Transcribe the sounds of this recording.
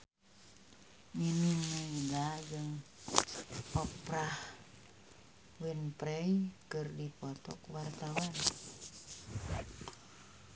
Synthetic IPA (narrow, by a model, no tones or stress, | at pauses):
miniŋːəidad͡ʒɨŋ | pɔpɾah | winpɾɛjkɨrdipɔt̪ɔ̰kwart̪awan